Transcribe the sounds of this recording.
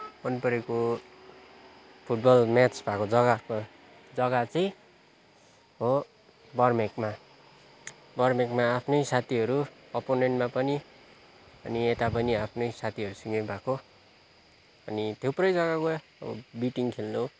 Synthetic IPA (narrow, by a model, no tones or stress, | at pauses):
ʌnpʌɾeko | pʰuʈ̚bʌlmat͡sbʱakod͡zʌɡak | d͡zʌɡat͡sʌj̃ | ɦo | bʌrmekma | bʌrmekmaːpʰnʌjsat̪ʰiʌɾuʌponeɳʈmapʌni | ʌniet̪apʌniapʰnʌjsat̪ʰiɦʌɾusiŋɡʌbʱako | ʌnit̪ʰewprʌjd͡zʌɡaɡo | ʌbʌ̰biʈiŋkʰelno